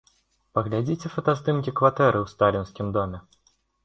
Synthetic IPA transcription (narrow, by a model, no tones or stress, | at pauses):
pɐɣlʲad͡zʲit͡sʲɛfɐt̪asd̪ɨmkʲikvat̪ɛɾɨwst̪alʲinsʲkʲimd̪ɔmʲɛ